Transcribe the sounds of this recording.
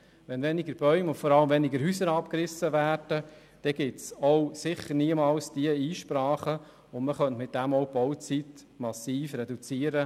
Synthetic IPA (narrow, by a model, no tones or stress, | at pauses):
ʋɛnvɛnɪɡəɾb̥œʏmʊntfɔɾɑləmvɛnɪɡəɾɦyːsəɾɑp̚kɾɪsːəʋæːrd̥ə | d̥ɛɡ̥ɪtsɔwsɪχəɾniəmɑlsd̥iəiːʃpɾɑːχə | ʊnməχœntmɪt̪̚d̥æmɔʊb̥ɔwt͡sit | mɑsiːfɾɛdut͡siːəɾə